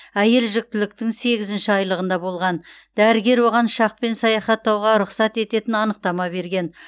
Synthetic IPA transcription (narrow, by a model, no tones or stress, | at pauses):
æje̞lʒʏk̚t̪ɪlɪk̚t̪ɪŋse̞ɡʲɪzɪnʃɪɑjlˠəʁənd̪ɑbo̞lˠʁɑnd̪æɾɪɡʲe̞ɾwo̞ʁɑnʃɑq̚pe̞nsɑjɑχɑt̪ːɑwʁɑɾʊqsɑt̪e̞t̪e̞t̪ɪnɑnəq̚t̪ɑmɑbe̞ɾɡʲe̞n